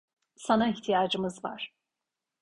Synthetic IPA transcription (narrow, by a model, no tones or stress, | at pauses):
sanaiçt̪ʰijaːd͡ʒɯmɯzva̰ɾ̥